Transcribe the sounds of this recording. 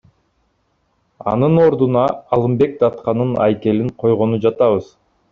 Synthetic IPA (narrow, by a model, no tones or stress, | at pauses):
ɑ̰nɯno̞ɾd̪unɑːlˠɯmbe̞k̚d̪ɑt̪qɑnɯnɑ̰jke̞liɴqʰo̞jʁo̞nud͡ʒɑt̪ɑβɯz̥